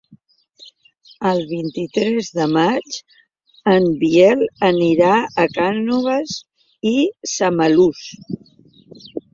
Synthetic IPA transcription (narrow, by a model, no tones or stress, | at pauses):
əlˠβ̞int̪it̪ɾɛzðəmat͡ʃ | əmbiɛləniɾaəkanuβəs | isəməlus